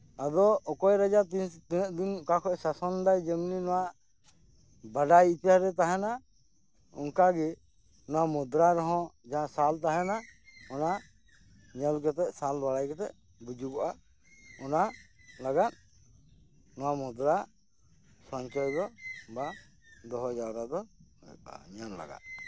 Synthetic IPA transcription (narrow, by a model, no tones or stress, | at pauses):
ad̪ɔːkɔjɾad͡ʒat̪int̪inəʔ̚d̪inkakʰɔɛsasɔnd̪ajd͡ʒɛmninɔwaʔ | baɖajit̪aɾɛt̪̬aɦɛna | ɔ̰ŋkaɡɛ | nɔwamɔd̪ɾaɾɔɦɔ̃d͡ʒasalt̪aɦɛnaɔna | ɲəlkɛt̪ɛʔsalbaɽajkɛt̪ɛʔ | bud͡ʒuɡɔʔa | ɔnalaɡan | nɔwamud̪ɾa | sɔɲt͡ʃɔjd̪ɔba | d̪ɔɦɔd͡ʒawɾad̪ɔja̰ɲanla̰ɡa̰ʔ